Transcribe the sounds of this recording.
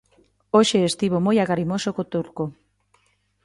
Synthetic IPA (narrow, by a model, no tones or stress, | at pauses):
oʃeest̪iβomojaɣaɾimosokot̪uɾko